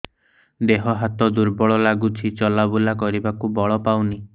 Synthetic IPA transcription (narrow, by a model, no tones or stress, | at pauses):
d̪eɦɔɦat̪ɔd̪uɾbɔɭɔlaɡut͡ʃʰit͡ʃɔlabulakɔɾibakubɔɭɔpawni